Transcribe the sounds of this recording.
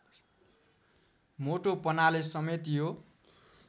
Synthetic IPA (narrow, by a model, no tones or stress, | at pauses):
moʈopʌnalesʌmet̪jo